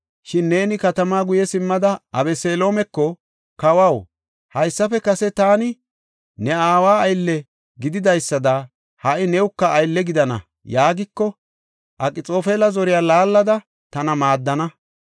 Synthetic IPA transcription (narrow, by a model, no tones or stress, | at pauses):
ʃɪnːe̞ːnɪkɐt̪ɐmaːɡʊjɛsɪmːɐd̪ɐʔɐbɛseːlo̞ːmɛkːɔ | kɐwɐw | hɐjsːɐfɛkɐsɛt̪aːnɪ | nɛaːwaːjlːɛ | ɡɪd̪ɪd̪ɐjsːɐd̪ɐ | hɐʔɪnɛwkːɐːjlːɛɡɪd̪ɐnɐ̰ | jaːɡɪkːɔ | ʔɐkʼɪt͡sʼo̞ːfeːlɐzɔɾɪjaːlaːlːɐd̪ɐ | t̪ɐnɐmaːd̪ːɐnɐ